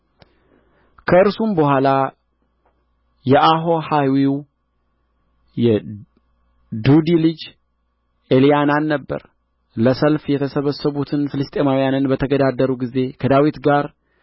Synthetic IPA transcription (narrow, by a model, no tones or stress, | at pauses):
kʰəɨɾsumbəhʷala | jɛʔaɦo̞hawiw | jɛ | d̪ud̪ilɨd͡ʒ | ʔelijananːəbːə̰ɾ | ləsəlfjɛt̪ʰəsəβəsəβut̪ʰɨnfɨlɨst̪ʼe̞mawijanɨnbət̪ʰəɡəd̪ad̪əɾuɡize̞kʰəd̪awit̪ɡaɾ